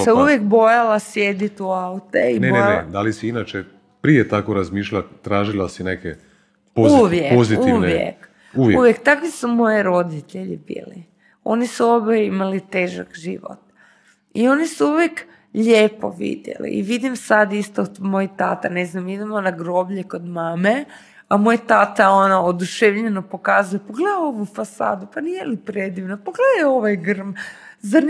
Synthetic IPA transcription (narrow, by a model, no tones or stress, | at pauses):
seuʋjek̚bo̞jalasjed̪it̪uaut̪eienened̪alisiinat͡ʃe | pɾijet̪akoɾazmiːʃʎat̪ɾaːʒilasineke | pouʋjeoziiʋnejḛk | uʋjuʋjekt̪akʋisumo̞jeɾo̞d̪it̪eʎibḭːlḭ | o̞nisuobeimalit̪e̞ːʒa̰kʒḭʋo̰t̪ | io̞nisuuʋjek | ʎeːpo̰ʋḭd̪jḛlḭḭʋid̪imsad̪ist̪omo̞jit̪at̪aneznamid̪emonaɡɾo̞bʎeko̞d̪maːme | amo̞jat̪at̪ao̞naod̪uʃeʋʎenopo̞kazujepoɡled̪oʋufasa̰ːd̪upanijelipɾed̪iʋnopoɡled̪ao̞ʋajɡr̩mza